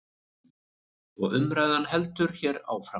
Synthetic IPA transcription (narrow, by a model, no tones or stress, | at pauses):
ɔɣʏmɾaːjðanɦɛlt̪ʏɾ̥çɛɾa̰wfɾa